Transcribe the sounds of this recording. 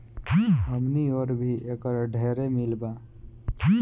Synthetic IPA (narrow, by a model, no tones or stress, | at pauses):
ɦəmnioɾbʱiekəɾɖʱeɾemilba